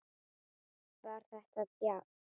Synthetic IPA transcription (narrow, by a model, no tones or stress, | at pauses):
vaɾ̥θɛht̪aðpja